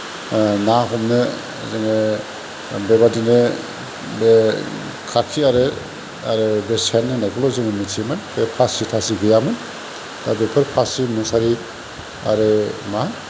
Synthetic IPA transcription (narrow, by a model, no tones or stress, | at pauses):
naɦɔmnɯ | zɯŋɯ | bebadinɯ | be | kʰakʰiaɾɯ | aɾɯbesenːɯnajkʰɔlɔzɯŋɯmitʰimɯnbepʰasitʰasiɡɯjamɯn | d̥abepʰɯɾpʰasimusaɾi | a̰ɾɯman